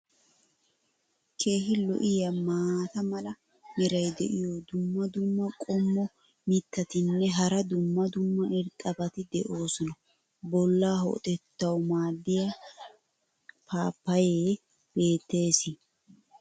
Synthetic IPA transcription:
kʰe̞ːhɪlɔ̰ʔɪjɐmaːt̪ɐmɐlɐ | mɪɾɐjd̪ɛ̰ʔɪjɔd̪ʊmːɐd̪ʊmːɐkʼɔmːɔ | mɪt̪ːɐt̪ɪnːɛɦɐɾɐd̪ʊmːɐd̪ʊmːɐɪɾt̪ʼːɐbɐt̪ɪd̪ɛʔo̞ːsɔnɐ | bɔlːaːɦɔ̰ʔt̪ʼɛt̪ːɐwmaːd̪ːɪjɐ | pʰaːpːɐjeː | b̥e̞ːt̪ːe̞ːsɪ

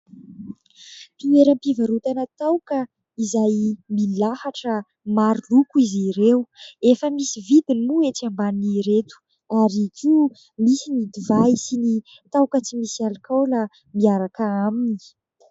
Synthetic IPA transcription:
t̪ieɾəmpivaɾut̪anət̪awkə | izajmilahaʈ͡ʂə | maɾilukuiziɾewefəmisivid̪inimueʈ͡ʂambaniiɾet̪u̥ | aɾikʲʰi | misinid̪ivaisini | t̪awkət͡simisialikawla | miaɾakaamini̥

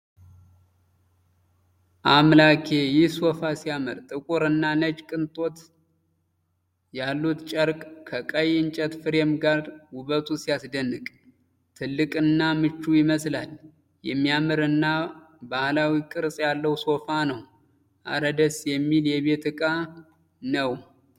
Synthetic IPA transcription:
ʔamlakʰe̞jɪhso̞fasijamɨ̰ɾt̪ʼɨkʷʼuɾɨnːanət͡ʃkʼɨnt̪ʼo̞t̪ | jalːut̪t͡ʃʼəɾkʼkʰəkʼəjɪnt͡ʃʼət̪fɨɾemɡaɾwʊβət̪ʰusijasd̪ənːɨkʼ | t̪ʰɨlːɨkʼɨnːamɨt͡ʃːujɪməslal | jɛ̰mːijamɨɾɨnːa | bahlawikʼɨɾsʼjalːəwso̞fanəw | ʔa̰ɾəd̪əsjɛmːiljɛβe̞t̪ɨkʼa | nəw

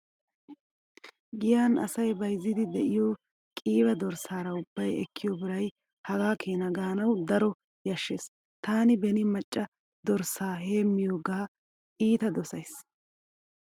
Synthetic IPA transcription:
ɡɪjaːnɐ̰sɐjbɐjzːɪd̪ɪd̪ɛʔɪjoː | kʼiːbɐd̪ɔɾsaːɾɐʊbːɐjɛ̰kːɪjɔbɪɾɐj | hɐɡaːkʰeːnɐɡaːnɐwd̪ɐɾɔ | jɐʃːeːs | t̪aːnɪbɛnɪmɐt͡ʃʼːɐ | d̪ɔɾsaːɦe̞ːmːɪjoːɡaː | ʔiːt̪ɐd̪ɔsɐjs

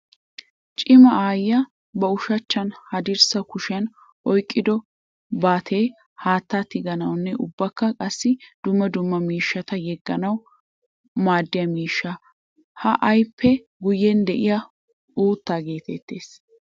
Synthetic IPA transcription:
t͡ʃʼɪmɐaːjːɐ | bɐʊʃɐt͡ʃːɐnhɐd̪ɪɾsɐkʊʃɪɐn | ʔɔjkʼːɪd̪ɔ | baːt̪ʰe̞ː | haːt̪ːaːt̪ɪɡɐnɐwnːɛʔʊbːɐkːɐkʼɐsːɪd̪̥ʊmːɐd̪ʊmːɐmiːʃːɐt̪ɐjɛɡːɐnɐw | maːd̪ːɪjɐmiːʃːɐ | hɐʔɐjpʰːɛ | ɡʊjːɛnd̪ɛʔɪjɐ | uːt̪ːaːɡe̞ːt̪ɛt̪ːe̞ːs

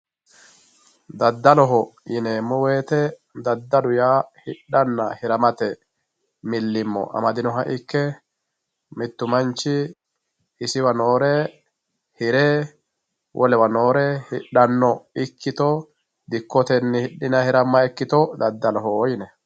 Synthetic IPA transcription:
d̪ɐd̪ːɐlɔɦɔjɪnemːɔweːt̪ɛ | d̪ɐd̪ːɐdʊjaːhɪɗːɐnːɐhɪɾɐmɐt̪ɛ | mɪlːɪmːɔ̰ʔɐ̰mɐd̪ɪnɔɦɐʔɪkːɛ | mɪt̪ːʊmɐnt͡ʃːɪ | ɪsɪwɐnoːɾɛ | hɪɾɛ | wʔɔlɛwɐno̞ːɾɛhɪɗːɐnːɔɪkːɪt̪ɔ | d̪ɪkːɔt̪ɛnːɪhɪɗːɪnɐhɪɾɐmːɐɛkːɪt̪ɔd̪ɐd̪ːɐlɔɦɔjɪnɛ

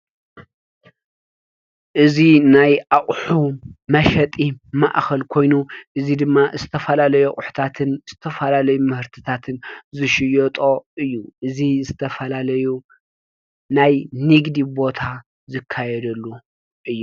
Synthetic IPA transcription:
ʔɨzinajʔaχʼħumɐʃɐt̪ʼima̰ʔxɐlkʰo̞jnuʔɨzid̪ɨmːazɨt̪ʰɐfɐlalɐjoʔʼʊħu̥t̪ʰat̪ʰɨnz̥ɨt̪ʰɐfɐlalɐjumɨhɨɾt̪ʰɨt̪ʰat̪ʰɨnzɨʃɪjɔt̪ʼo̞ʔɨjːuʔɨzizɨt̪ʰɐfɐlalɐju | najniɡd̪ibo̞t̪ʰa | zɨkʰːajɛd̪ɐlːu | ʔɨjːu

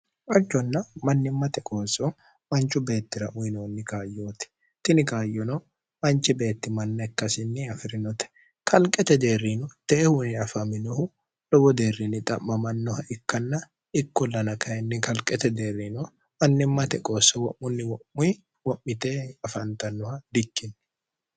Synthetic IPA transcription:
ʔɐd͡ʒːɔnːɐmɐnːɪmːɐt̪ɛkʼo̞ːsɔ | mɐnt͡ʃːʊbe̞ːt̪ːɪɾɐʔʊjnoːnːɪkaːjːoːt̪ɛ̥ | t̪ɪnɪkaːjːɔnɔ | mɐnt͡ʃːɛbe̞ːt̪ːɪmɐnːɐɪkːɐsɪnːɪɐfɪɾɪnɔt̪ɛ̥ | kʰɐlkʼɛt̪ɛd̪e̞ːrːinɔt̪ɛːhʊnɪɐfɐmɪnɔhʊ | lɔbɔd̪e̞ːrːɪnːɪt̪ʼɐmːɐmɐnːɔhɐʔɪkːɐnːɐ | ɪkːɔlɐnɐkɐjɛnːɪkɐlkʼɛt̪ɛd̪e̞ːɾinɔ | mɐnːɪmːɐt̪ɛkʼo̞ːsɔwɔʔːʊnːɪwɔʔːʊj | wɔʔːɪt̪eːɐfɐnt̪ɐnːɔhɐd̪ɪkːɪn

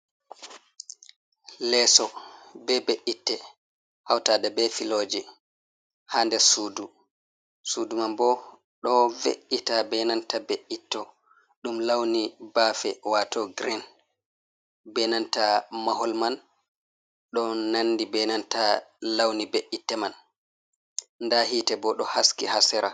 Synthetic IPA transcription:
lɛːsɔbɛbeʔitːɛ | hawtaːɗɛbɛfiloːd͡ʒɛ | haːndɛsuːdu | suːdumambɔ | ɗɔvḛʔitabɛnantabeʔitːɔ | ɗumlawnibafɛwatɔɡɾin | bɛnantamahɔlman | ɗɔnanːdibɛnantalawnibeʔitːɛman | ndaɦitɛbɔɗɔhaskihasɛɾa

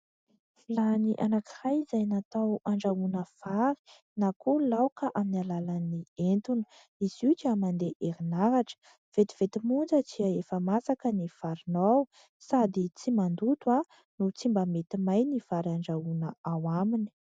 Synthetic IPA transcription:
laniʔanakirajizajnat̪awaɳɖ͡ʐaunəfaɾi̥ | nakulawkəʔaminalalanient̪unə̥ | izit͡ʃamand̪eʔeɾinaɾaʈ͡ʂə̥ | v̥et̪i̥v̥et̪imund͡zət͡siaefəmasakənifaɾinaw | sad̪it͡simand̪ut̪wa | nut͡simbamet̪imajnifaɾiaɳɖ͡ʐaunəawamini̥

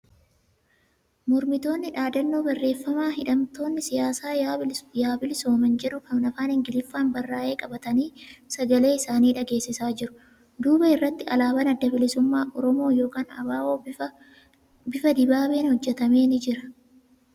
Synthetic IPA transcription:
mɔɾmɪt̪o̞ːnːɪᶑaːd̪ɐnːo̞ːbɐrːe̞ːfːɐmaːɦɪᶑɐmt̪o̞ːnːɪsɪjaːsaːjaːbɪlɪso̞ːmɐnd͡ʒɛᶑʊkɐmnɐfaːnɪŋɡɪlɪfːaːnbɐrːaːʔe̞ːkʼɐbɐt̪ɐniːsɐɡɐle̞ːɪsaːniːᶑɐɡe̞ːsːɪsaːd͡ʒɪɾʊ | d̪uːbɐɪrːɐt̪ːɪɐlaːbɐnɐd̪ːɐbɪlɪsʊmːaːʔɔɾɔmo̞ːjo̞ːkaːnɐ̰baːʔoː | bɪfɐd̪ɪbaːbe̞ːnhɔd͡ʒːɛt̪ɐmeːnɪd͡ʒɪɾɐ̥

